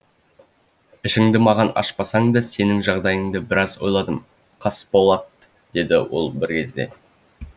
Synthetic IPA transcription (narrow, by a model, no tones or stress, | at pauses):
ɪʃɪŋd̪ɪmɑʁɑnɑ̰ʃpɑsɑɴd̪ɑse̞nɪŋʒɑʁd̪ɑjəŋd̪əbɪɾɑzwo̞jlˠɑd̪əm | qʰɑsbo̞lˠɑt̪ | d̪̥e̞d̪ɪ̰wo̰lˠbɪɾkʲʰe̞zd̪e̞̰